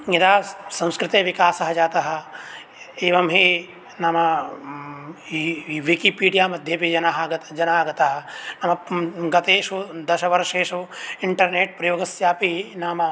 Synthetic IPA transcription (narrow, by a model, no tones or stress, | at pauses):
ɐd̪aːsɐ̃w̃skɾɪt̪eʋikaːsɐɦɐd͡ʒaːt̪ɐɦɐ̆ | eːʋɐmɦi | naːmɐ | iʋikipiːɖijaːmɐd̪ʱjeːpid͡ʒɐnaɦɡɐd͡ʒɐnaːɡɐt̪aɦɐ̆nɐmɐɡɐt̪eːʃud̪ɐʃɐʋɐɾʃeːʃuiɳʈɐɾneːʈ̚pɾɐjoːɡɐsjaːpinaːmɐ